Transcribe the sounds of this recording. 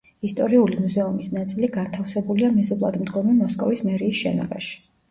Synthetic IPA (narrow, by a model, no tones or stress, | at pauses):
ist̪ʼɔɾiulimuzɛumisnat̪sʼiliɡant̪ʰafsɛbuliamɛzupʼlˠa̰d̪md̪ɡɔmɛmɔskʼɔvismɛɾiːsʃɛ̰nɔ̰ba̰ʃi̥